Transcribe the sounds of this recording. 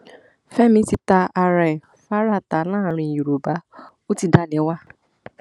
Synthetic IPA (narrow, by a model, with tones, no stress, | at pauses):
fɛ˦mĩ˦ti˧ta˧a˧ɾɛ˨ | fa˦ɾa˦˨ta˨nãː˦˨ɾ̃ĩ˧˨ju˨ɾo˨ba˨˦ | o˦ti˧da˦nẽ˨˦wa˦